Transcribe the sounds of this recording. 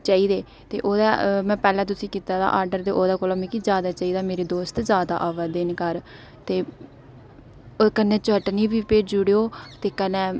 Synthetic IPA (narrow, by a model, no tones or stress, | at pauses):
t͡ʃaːiːd̪eː | t̪ḛːʔoːd̪aːmɛ̃ːpɛːlɛ̃ːt̪̬ʊsĩːkiːt̪aːd̪a̰ʔaːɾɖəɾd̪eːʔoːd̪aːkoːlə̃mikizjaːd̪aːt͡ʃaːiːd̪aːmeːɾeːd̪oːst̪zjaːd̪a̰ːʔaːʋəd̪ɪːnkəɾ | t̪eː | kənɛːt͡ʃəʈniːbiːpeːʈd͡ʒʊɽeːoːt̪eːkənɛ̃ː